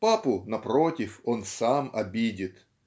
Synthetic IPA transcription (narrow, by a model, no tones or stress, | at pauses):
papʊnɐpɾo̞tʲɪfo̞nsamɐ̰bʲidʲɪt̪